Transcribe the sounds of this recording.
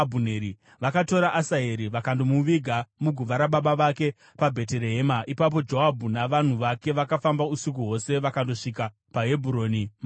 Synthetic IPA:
bʱuneɾi | ʋakato̞ɾaʔasaɦeɾiʋakandomuʋiɡʱamuɡʱuʋaɾaɓaɓaʋake̞ | pabʱe̞t̬e̞ɾe̞ɦeːmaʔipap̬o̞d͡ʒo̞ɦabʱunaʋan̤uʋake̞ʋakafambausikuɦo̞se̞ʋakando̞ʂika | paɦe̞bʱuɾo̞ːnim

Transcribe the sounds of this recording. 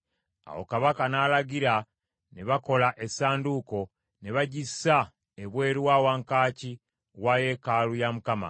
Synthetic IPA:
a̰wo̞̰kaβakanaːlaɡiɾa | neβako̞laʔe̞saːnduːko̞ | ne̞βaɟisa | eβwe̞ːɾiwaːwaːŋkaːci | waje̞ːkalujamukama̰

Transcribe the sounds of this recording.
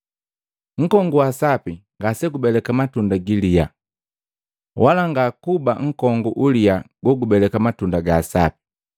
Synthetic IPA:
ŋ̩kɔŋɡuwasapiŋɡasɛɡubɛlɛkamatundaɡilija̰ | wʔalaŋɡakubaŋ̩kɔŋɡuʔulijaɡɔɡubɛlɛkamatundaɡaːsa̰pi̥

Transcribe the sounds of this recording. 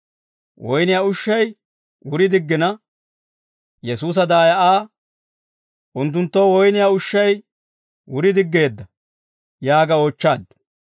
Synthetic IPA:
wɔjnɪjaːʊʃːɐj | wʊɾɪd̪ɪɡːɪnɐ | jɛsuːs̬ɐd̪aːjɐʔaː | ʔʊnt̪ːʊnt̪ːowɔjnɪjaːʊʃːɐj | wʊɾɪd̪ɪɡːe̞ːd̪ːɐ | jaːɡɐoːt͡ʃːaːd̪

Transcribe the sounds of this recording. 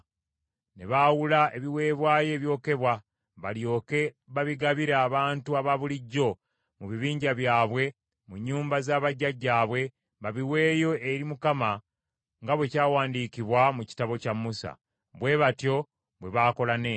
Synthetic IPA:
ne̞βawulaʔe̞βiwe̞ːβwaːje̞ːβjo̞ːke̞βwa | βaljoke | βaβiɡaβiɾaːβaːntuaβaβuliɟːo̞ | muβiβiːɲɟaβjaːβwe̞ | muɲːuːmbazaːβaɟːaɟːaːβwe̞ | βaβiwe̞ːjo̞ʔeɾimukama | ŋɡaβwe̞caːwaːndikiβwamuci̥taβo̞camːusa̰ | βwe̞βatjo̞ | βwe̞βaːko̞lane

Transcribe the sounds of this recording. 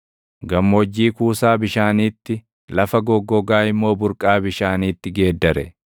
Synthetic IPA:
ɡɐmːod͡ʒːiːkuːsaːbɪʃaːniːt̪ːɪ | lɐfɐɡɔɡːɔɡaːɪmːo̞ːbʊɾkʼaːbɪʃaːniːt̪ːɪɡe̞ːd̪ːɐɾɛ̰

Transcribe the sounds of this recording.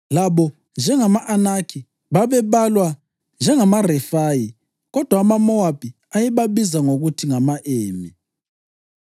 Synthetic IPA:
laβɔ | nd͡ʒʱɛŋamaʔanakʰi | βaβɛβalwa | nd͡ʒʱɛŋamarɛfaji | ɣɔd̥ʱwaːmamɔab̥ʱi | ajɛβaβizaŋoɣutʰiŋamaʔeːmi

